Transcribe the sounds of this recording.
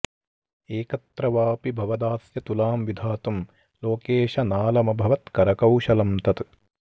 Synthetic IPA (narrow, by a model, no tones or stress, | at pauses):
eːkɐt̪ɾɐʋaːpibʱɐʋɐd̪aːsjɐt̪ulaːmʋid̪ʱaːt̪um | loːkeːʃɐnaːlɐmɐbʱɐʋɐt̪kɐɾɐkɐwʃɐlɐmt̪ɐt̪